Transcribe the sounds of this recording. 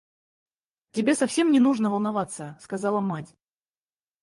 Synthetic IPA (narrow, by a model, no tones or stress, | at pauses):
tʲɪbʲe̞sɐfsʲe̞mnʲɪnuʐnəvəlˠnɐvat̪səskazɑlˠəmatʲ